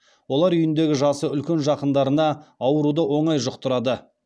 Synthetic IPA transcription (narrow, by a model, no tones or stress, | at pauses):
wo̞lˠɑɾʏjɪnd̪e̞ɡʲɪʒɑsəʏlkʲe̞nʒɑqənd̪ɑɾənɑːwəɾud̪əwo̞ɴɑjʒʊqt̪ʰʊɾɑd̪ə